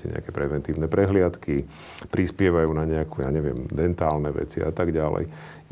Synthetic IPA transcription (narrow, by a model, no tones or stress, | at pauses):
ɛ̰ɲɛ̰a̰kɛpɾɛʋɛnt̪iːʊnɛpɾɛɦlɪat̪ki | pɾispɪɛʋajuːnaɲɛakʰuːjaːɲɛʋɪɛ̰md̪ɛnt̪aːlnɛʋɛ̰t͡siʔat̪aɡɟalɛ̰j